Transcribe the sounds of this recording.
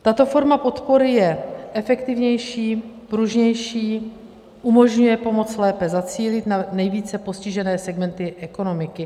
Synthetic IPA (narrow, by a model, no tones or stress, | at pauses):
t̪at̪o̞fo̞ɾmapo̞t̪po̞ɾɪjɛʔɛfɛkt̪ɪvɲɛjʃiːpɾuʒɲɛjʃiː | ʔumo̞ʒɲujɛpo̞mo̞t͡slɛːpɛzat͡siːlɪt̪nanɛjviːt͡sɛpo̞scɪʒɛnɛːsɛɡmɛnt̪ɪʔɛko̞no̞mɪkɪ